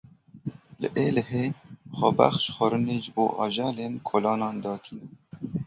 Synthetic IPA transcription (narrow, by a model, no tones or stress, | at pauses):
lə̰ʔeːləɦeːxɔba̰xʃxʷɔɾɨneːʒɨbo̰ːʔɑ̰ʒɑːleːnkʰoːlɑːnɑːnd̪ɑːt̪ʰiːnɛ